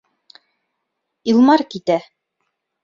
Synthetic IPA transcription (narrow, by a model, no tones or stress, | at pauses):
ilˠmɑɾkit̪æ